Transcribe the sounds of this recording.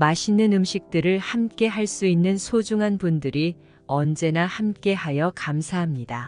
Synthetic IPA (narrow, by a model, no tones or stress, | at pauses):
maɕʰinːɯnɯmɕʰik̚t͈ɯɾɯɭhamk͈e̞ɦaɭs͈uinːɯnsʰod͡ʑuŋɦanbundɯɾi | ʌnd͡ʑe̞nahamk͈e̞hajʌkamsʰaɦamɲida